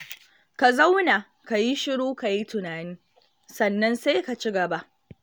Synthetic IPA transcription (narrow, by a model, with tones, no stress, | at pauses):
ka˨za˦wna˨ | ka˨ji˦ʃɪ˦ɽuː˦ka˨ji˦tʊ˨naː˨nɪ˦ | sɐ˨nːɐ˦nse˦ka˨t͡ʃɪ˦ɡɐ˨ba˦ʔ